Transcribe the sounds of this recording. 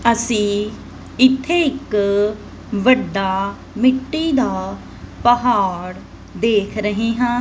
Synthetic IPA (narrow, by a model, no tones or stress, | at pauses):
əsĩː | ɪt̪ʰːeːɪk | ʋəɖːaː | mɪʈːiːd̪aː | pəɦaːɾ | d̪eːkʰɾəɦeːɦãː